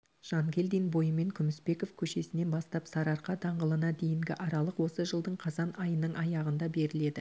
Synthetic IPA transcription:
ʒ̥ɑŋɡʲe̞ld̪inbo̞jəme̞ŋkʲʰʏmɪspe̞ko̞fkʲʰɵʃe̞sɪne̞nbɑst̪ɑpsɑɾɑɾqɑd̪ɑɴʁəlˠənɑd̪e̞jɪŋɡʲɪʔɑɾɑlˠəqwo̞səʒəlˠd̪əɴqʰɑzɑnɑjənəɴɑjɑʁənd̪ɑbe̞ɾɪle̞d̪ɪ

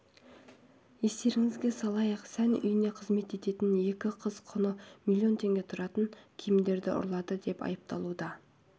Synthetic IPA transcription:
je̞st̪e̞ɾɪŋɪzɡʲe̞sɑlˠɑjəqsænʏ̰jɪne̞qʰəzme̞t̪e̞t̪e̞t̪ɪnje̞kʲɪqʰəzqʰʊnəmʲilʲˠio̞nt̪ʰe̞ŋɡʲe̞t̪ʰʊɾɑt̪əŋkʲʰijɪmd̪e̞ɾd̪ɪʔʊ̰ɾlˠɑd̪əd̪e̞pɑ̰jəp̚t̪ɑlˠud̪ɑ

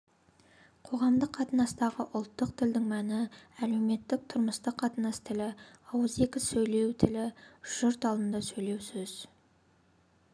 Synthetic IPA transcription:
qʰo̞ʁɑmd̪əqʰːɑt̪ənɑst̪ɑʁəʔʊlˠt̪ːəq̚t̪ʰɪld̪ɪŋmænɪæle̞wme̞t̪ːɪk̚t̪ʰʊɾməst̪əqʰːɑt̪ənɑst̪ʰɪlɪɑwəze̞kʲɪsɵjle̞wt̪ʰɪlɪʒ̥ʊɾt̪ɑlˠənd̪ɑsɵjle̞wsɵz̥

